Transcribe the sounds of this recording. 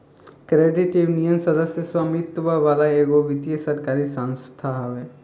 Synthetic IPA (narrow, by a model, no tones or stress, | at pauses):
kɾeːɖiʈjuʋnijənsɐd̪əsjəswamit̪ʋaʋaːlaeːɡoʋit̪ijəsɐɾkaːɾisə̃nst̪ʰaɦʋe